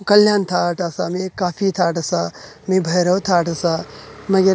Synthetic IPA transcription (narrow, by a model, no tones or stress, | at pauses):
kɐljaːnt̪ʰaʈasamekaːpʰit̪ʰaːʈɐsa | mebʱɐjɾɐwt̪ʰaʈɐsamɐɡɐɾ